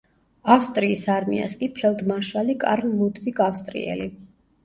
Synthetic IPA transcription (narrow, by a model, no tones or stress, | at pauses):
afst̪ʼɾiːsaɾmḭa̰skʼipʰɛlˠd̪maʃwalikʼa̰ɾllud̪viɡafst̪ʼɾḭɛ̰li